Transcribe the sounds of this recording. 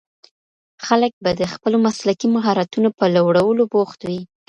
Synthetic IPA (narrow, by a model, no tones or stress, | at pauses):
xalək̚bad̪əxpəlomaslakimaɦɑɾat̪unopəlawɽawəloboxt̪wi